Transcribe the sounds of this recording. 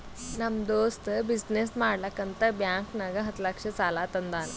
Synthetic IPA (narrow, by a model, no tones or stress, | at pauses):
nɐmd̪oːst̪bisnesmaːɽlɐkːɐnt̪ɐbjaːŋknaɡɐɦɐt̪lɐkʂɐsaːlaːt̪ɐnd̪aːnɐ